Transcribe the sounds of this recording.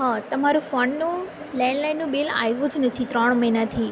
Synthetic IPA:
ɦat̪əmaɾũfɔɳnũ | lɛɳɖlajnːũbila̰jʋũd͡ʒnət̪ʰit̪ɾɔɽ̃məjnat̪ʰi

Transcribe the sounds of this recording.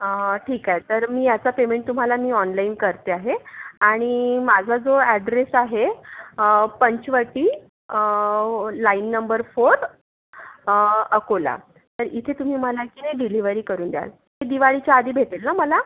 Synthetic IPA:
ʈʰiːkaɦet̪əɾmiːjat͡sapemeɳʈt̪um̤alamiːɔnlainkəɾt̪eaɦeaɽ̃imad͡zʱad͡zoɛɖɾesaɦe | pəɲt͡ɕʋəʈiː | ə | lainːəmbəɾfoɾ | əkola̰ | t̪əɾit̪ʰet̪um̤iːməlakineɖiliʋəɾiːkəɾuːnd̪ja̰l | ed̪iʋaɭit͡ɕjaːd̪ʱiːbʱet̪elnaməla

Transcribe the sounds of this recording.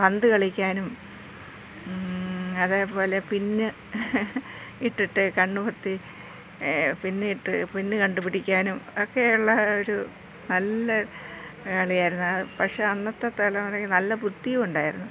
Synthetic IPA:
ʋɐnd̪ɨkɐɭikʲːaːnum | ɐðeːpo̞ːle̞pinːɨ | iʈːiʈːɨkɐɳːupɐrt̪ːi | pinːɨiʈːɨpinːɨkɐɳɖupiɽikʲːaːnumokːeuɭːɐoɾu | nɐlːɐ | kɐɭijaːjiɾunːuɐɨpɐkʂeːɐnːɐt̪ːɐt̪ːɐlɐmɐrɐinɐlːɐput̪ːijɐmuɳɖaːjiɾunːu

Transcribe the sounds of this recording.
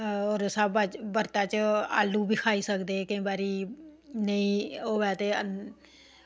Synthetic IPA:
oːɾsaːbət͡ʃbəɾt̪aːt͡ʃa̰ːlːuːbiːkʰaːiːsəkd̪eːkĩːbaːɾiːnəĩːoːʋɛːt̪eːə

